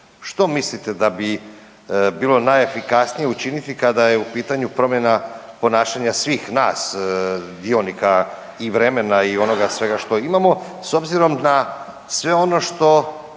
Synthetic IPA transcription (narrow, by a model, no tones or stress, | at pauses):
ʃt̪o̞mislit̪e̞d̪abi | biːlo̞naje̞fikasnijeut͡ʃinit̪ikad̪aje̞upiːt̪aɲupɾo̞mje̞napo̞naːʃaɲasʋiːxnaːsd̪io̞nika | iʋɾe̞me̞naio̞no̞ɡasʋe̞ɡaʃt̪o̞imamo̞so̞bziɾo̞mna | sʋe̞o̞no̞ʃt̪o̞